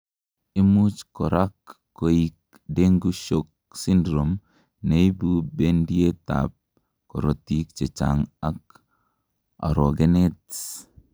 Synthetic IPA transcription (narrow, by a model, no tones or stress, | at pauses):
imut͡ʃkɔɾakː | oik̚ | deŋɡuʃok̚sindɾom | neibubendieta̰p̚ | kɔɾotikt͡ʃet͡ʃa̰ŋak̚ | a̰ɾɔɡɛnet